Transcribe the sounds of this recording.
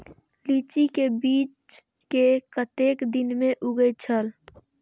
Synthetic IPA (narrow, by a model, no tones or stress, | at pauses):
liːt͡ʃikebiːt͡ʃ | kekət̪eːkd̪ɪnmẽʔʊɡət͡ʃʰəl